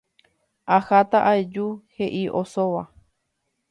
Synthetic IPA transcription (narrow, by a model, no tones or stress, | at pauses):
ahat̪aʔaed͡ʒuhe̞ʔiʔosoʋa